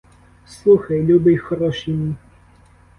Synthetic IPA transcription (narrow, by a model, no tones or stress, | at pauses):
slˠuxɐjlʲubɪjxɔɾɔʃimʲi